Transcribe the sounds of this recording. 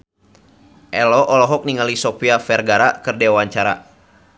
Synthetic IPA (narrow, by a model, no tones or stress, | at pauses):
ʔɛlɔʔɔlɔɦɔk̚niŋalisɔpiafɛrɡaɾakərdewaɲt͡ʃaɾa̰